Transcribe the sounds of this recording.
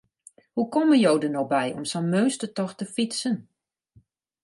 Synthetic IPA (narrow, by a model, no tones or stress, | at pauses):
hukɔmənjowdənɔxbɛjɔ̰msənmøːstətɔxtəfitsən